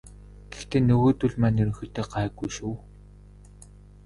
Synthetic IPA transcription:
ɡ̥ext̪eːnɵɣoːt̪uɮmæːnɵɾɵ̆ŋxɵ̆t̪eːɢaːɣujʃuː

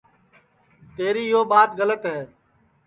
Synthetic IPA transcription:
t̪eːɾiːɪɦoːɓaːt̪ɣələt̪ɦeː

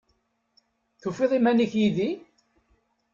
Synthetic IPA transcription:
θufeðˤimæniçjiði

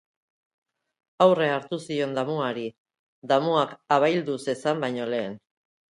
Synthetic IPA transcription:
awre̞aɾt̪usio̞nd̪amuaɾi | d̪amuakaβajld̪use̞sambajɲo̞le̞ːn

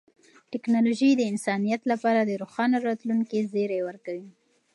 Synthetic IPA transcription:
ʈɪknɑloʒid̪əɪnsɑnijat̪lapɑɾad̪əɾoxɑnaɾɑt̪luŋkizeɾewəɾkawi

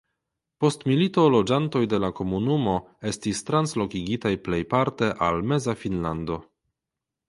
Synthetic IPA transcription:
po̞stmilito̞lo̞d͡ʒanto̞jde̞lako̞munumo̞e̞stistɾanslo̞kiɡitajple̞jpaɾte̞ʔalme̞zafinlando̞

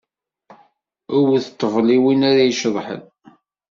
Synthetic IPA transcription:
ʊwθət̪ˤːəvliwinaɾajʃəðˤħə̰n

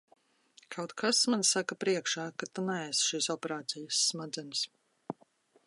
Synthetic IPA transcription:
kʰawt̪kʰasmansakapɾiɛkʃaːkat̪unɛæsʃiːsɔpɛɾaːt̪sʲɛjəsːmad̪zɛns

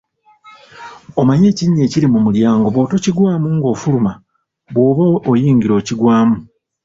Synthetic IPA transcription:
omaɲe̞ːciɲːe̞ːciɾimumuljaːŋɡo̞βo̞ːto̞ciɡwaːmuŋɡo̞ːfuluma | βwo̞ːβaʔːjiːŋɡiɾo̞ːciɡwaːmu

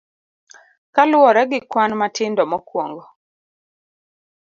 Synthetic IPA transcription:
kalwɔɾɛɡɪkwanmatʰɪndɔmɔkwɔŋɡɔ

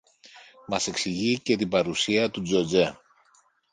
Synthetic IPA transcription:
mɐse̞ksiʝice̞t̪ibɐɾusiɐt̪ud͡zo̞d͡ze̞

